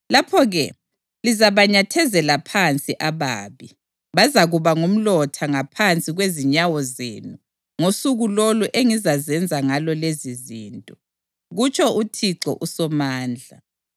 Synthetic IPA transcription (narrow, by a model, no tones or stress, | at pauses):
lapʰɔɣɛ | lizaβaɲatʰɛzɛlapʰant͡sʼiʔaβaːβi | βazaɣuβaŋum̩lɔtʰaŋapʰant͡sʼiɣweziɲawɔzḛnu | ŋosuɣuloluʔeŋizazɛnd͡zʱaŋalɔleziziːntʼɔ | ɣut͡ʃʰʼɔʔutʰiǀɔ̰ʔusɔmaːnd͡ɮʱa